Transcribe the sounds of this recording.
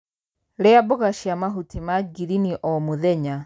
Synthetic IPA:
lɛabɔɣaʃiamaɦutimaɡiɾiniʔɔmuðɛɲa

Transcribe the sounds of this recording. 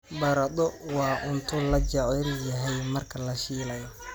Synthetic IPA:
bɐɾɐd̪ɔwɑːʔʊnt̪ʰʊlɐt͡ʃɐljɐɦɛjmɐrkʰɐlɐʃiːlɐjɔ

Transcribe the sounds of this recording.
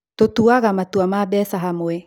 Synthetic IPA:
totuaɣamatuamabɛsaɦamoɛ

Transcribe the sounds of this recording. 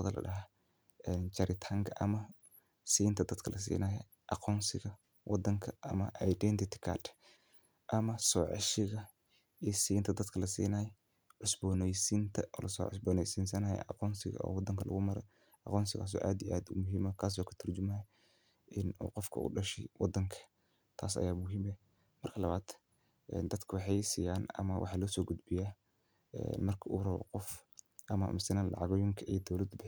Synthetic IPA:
ðɐlʔɐ̰ɗɐɦa | ɛnt͡ʃɐɾɪt̪ʰɐŋkʰɐʔɐmɐ | siːnt̪ʰɐd̪ɐd̪kʰɐlɐs̬ḭːnɐːjɛ | ʔɑqɔːnsɪɣɐ | wʔɑd̪ɐŋkʰɐʔɐmɐʔɛjɖɛːnt̪ʰɪt̪ʰɪ̥kʰa̰ːd | ʔɐmɐsɔːʕɑ̰ʃɪɣɐ | ɛsiːnt̪ʰɐd̪ɐd̪kʰɐlɐsḭːnaːjɛ | ʕʊsbɔːnɛjsint̪ʰɐʔɔːlʔɐsɔ̰ːʕʊsbɔːnɛjsiːnsɐnaːjɛ̰ʔɑqɔːnsɪɣɐ̰ʔɔ̰ːwɑd̪ɐŋkʰɐlʔɐ̰ɣʊmɐɾɛ | ʔɑqɔːnsɪɣaːs̬ɔ̰ːʔaːd̪iʔaːd̪ʊmʊɦiːmɔkʰaːs̬ɔːkʰɐ̥t̪ʰɐrt͡ʃʊmɐ | ʔɪnṵːqɔfkʰɐ̰ʊ̰ɖɐʃɛjwɑd̪ːɐŋkʰɐ̥ | t̪ʰaːs̬ɐ̰jaːmʊɦiːmɛ | mɐrkʰɐlɐβaːd̪̥ | ʔɛ̰nd̪ɐd̪kʰɐwɑħɑjsiːjaːnɐ̰mɐwʔɑ̰ħɑːlɔːsɔːɡʊd̪bɪjaː | ɛ̰nmɐrkʰɐuːrɐβɔ̰qɔfʔɐmɐ̰mɪsɪnaːnlʔɑ̰ʕɑɣɔjɪŋkʰɐʔid̪ɔwlɐd̪bɪ

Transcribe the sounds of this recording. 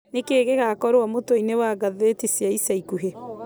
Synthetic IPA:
nekeːɣeɣakɔɾwamotoinewaɡaðetisiaisaikuɦe

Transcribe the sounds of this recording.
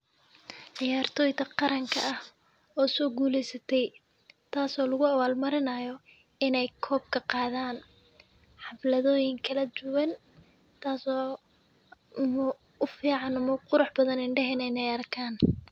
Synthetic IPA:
ʕɪjaːrt̪ʰɔːjt̪ʰɐqɑɾɐŋkʰɐ̰ʔɐh | ɔːsɔːɡuːlɛjsɐt̪ʰɛj | t̪ʰaːsɔːlɐɣʊɐwaːlmɐɾɪnɐjɔ | ɪnɛjkʰɔːb̚kʰɐqɑːðaːn | ħɑflɐðɔːjɪŋkʰɐlɐd̪ʊwɐn | t̪ʰaːsɔː | m | ʊfiːʕɑnʊmɐqʊɾʊħbɐðɐnɪɳɖɛɦɛnɛɪnɛjɐrkʰaːn

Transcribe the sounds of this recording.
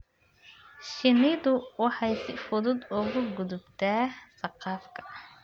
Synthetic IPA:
ʃɪnɪðʊwɑħɑjsɪfʊðʊd̪ʊɣʊɡʊðʊbt̪ʰaːsɑqɑːfkʰɐ̥

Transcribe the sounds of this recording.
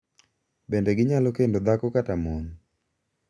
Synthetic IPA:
bendeɡɪɲalɔkendod̪akɔkatamon

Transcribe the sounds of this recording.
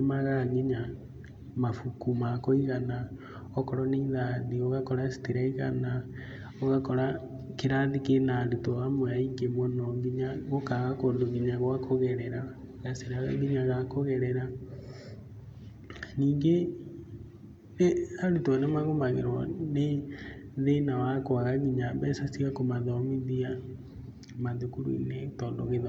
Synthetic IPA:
nemaɣaŋɡiɲa | mafukumakoiɣana | ɔkɔɾɔniðaðioɣakɔɾaesi̥tiɾaiɣa̰na | oɣakɔɾa | keɾaðikenaːɾutɔamwɛaiŋɡemɔnɔŋɡiɲaɣokaɣakondoŋɡiɲaɣwakoɣɛɾɛɾaɣaseɾaɣa̰ɣiɲaɣakoɣɛɾɛɾa | niːŋɡe | ɾeaɾutːnamaɣomaɣḛɾwɔ̰ne | ðenawakwaɣaɣiɲambɛsasiɣakomaðɔmiðia | manðokuɾuḭnetɔːndo̰ɣeða

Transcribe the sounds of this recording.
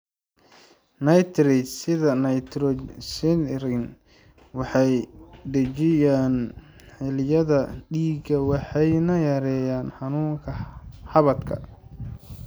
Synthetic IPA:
nɐjt̪rɪt͡ʃsɪðɐnɐjt̪ɾɔsinɾɪn | wɑħɑjd̪ɐt͡ʃɪjaːnħɪljɐðɐɖiːɡɐwɑħɑjnɐjɐɾɛːjaːnħɑnuːŋkʰɐħɑβɐt̪kʰɐ̰

